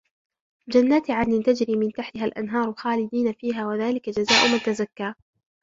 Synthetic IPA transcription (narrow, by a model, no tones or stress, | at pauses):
d͡ʒanːaːt̪ɪʕaɪnt̪ad͡ʒɾiːmɪnt̪aħt̪ɪhalʔa̰nɦɑːɾˤxaːlɪd̪iːnafiːɦaːwaðaːlɪkad͡ʒazaːʔʊmat̪azakːaː